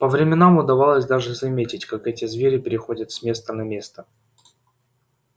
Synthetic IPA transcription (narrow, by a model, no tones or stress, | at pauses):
pəvɾʲɪmʲɪnamʊd̪ɐvalˠəsʲd̪aʐɨzɐmʲetʲɪtʲkakɛtʲɪzvʲeɾʲɪpʲɪɾʲɪxo̞dʲət̪sʲmʲe̞st̪ənɐmʲe̞st̪ə